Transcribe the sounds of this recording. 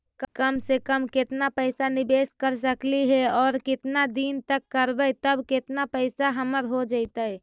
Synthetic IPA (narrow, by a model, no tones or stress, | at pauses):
kkəmsekəmket̪napəɪsanɪbeskəɾsəkliɦɛɔːɾkɪt̪nad̪int̪əkːəɾbət̪əbket̪napəɪsaɦəməɾɦod͡ʒəɪt̪ə